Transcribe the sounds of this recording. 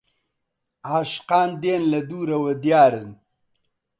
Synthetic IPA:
aːʃqaːnd̪eːnlɐd̪uːɾɐwɐd̪jaːɾɨn

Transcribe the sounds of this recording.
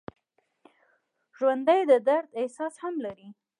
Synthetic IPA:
ʒwand̪əjd̪əd̪aɾd̪ehsɑshamlaɾi

